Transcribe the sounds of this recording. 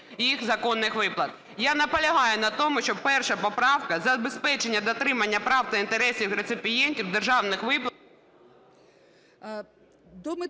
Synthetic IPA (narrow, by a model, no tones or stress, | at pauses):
jixzɐkɔnːɪxʋɪplˠɐt̪ | janɐpɔlʲɐɦɑjʊnɐt̪ɔmʊʃt͡ʃɔb̚pɛrʃɐpɔpɾɑwkɐzɐbespɛt͡ʃenʲːɐd̪ɔt̪ɾɪmɐnʲːɐpɾɑwt̪ɐint̪eɾɛsʲiwɾet̪sɪpʲɪjɛnʲtʲiwd̪erʒɑwnɪxʋɪplˠ | d̪ɔmɪ